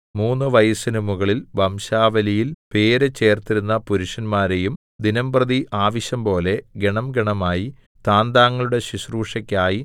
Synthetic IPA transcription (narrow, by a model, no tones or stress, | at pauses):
muːnːɨʋɐjɐsinumuɣɐɭilʋɐmɕaːʋɐlijilpe̞ːɾet͡ɕe̞ːrt̪iɾunːɐpuɾuʂɐnmaːɾejum | d̪inɐmbrɐðiʔaːʋɐɕjɐmpo̞ːle̞ɡe̞ɳɐmɡeɳɐmaːji | t̪aːnd̪aːŋːɐɭuɽe̞ɕiɕruːʂɐkʲːaːji